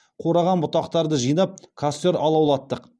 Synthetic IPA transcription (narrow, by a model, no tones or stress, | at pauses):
qʰo̞ɾɑʁɑnbʊt̪ɑqt̪ɑɾd̪əʒijnɑp̚kʰast̪oɾɑlˠɑwlˠɑt̪ːəq